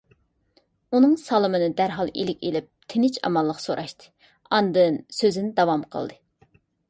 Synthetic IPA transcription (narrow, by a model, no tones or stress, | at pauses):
unɨŋsɑlˠɨmɨnɨd̪æɾɦɑlˠḛlɪkʲḛlɪp̚t̪ʰɪnɪt͡ʃɑ̰mɑlˠːəqsoɾʔɑʃt̪ʰɨ̥ | ɑnd̪ɨnsøzɪnd̪ɑwɑmqʰə̰lˠd̪ɨ